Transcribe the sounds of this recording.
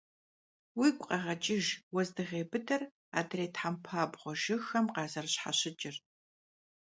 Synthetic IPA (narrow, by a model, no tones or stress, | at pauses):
wiːkʷʼqʼɐʁɐt͡ʃʼɪʒwɔzdɨʁeːbɨdɐr | a̰ːdreːtħampʰaːbʁʷɔʒɪxɐmqɑːzɐrɕħa̰ɕɪt͡ʃʼɪr